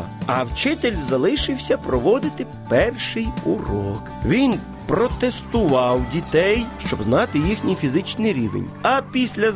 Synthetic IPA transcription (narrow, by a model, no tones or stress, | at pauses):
ɐwt͡ʃɪt̪elʲzɐlˠɪʃɪwsʲɐpɾɔʋɔd̪ɪt̪ɪ | pɛrʃɪjʊrɔkʋʲin | pɾɔt̪est̪ʊʋɑwdʲit̪ɛjʃt͡ʃɔbznɑt̪ɪjixnʲijfʲizɪt͡ʃnɪjɾʲḭʋḛnʲɐpʲisʲlʲɐ